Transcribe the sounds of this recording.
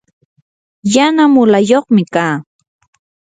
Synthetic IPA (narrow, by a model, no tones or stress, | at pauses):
janamʊlajoχmɪkaː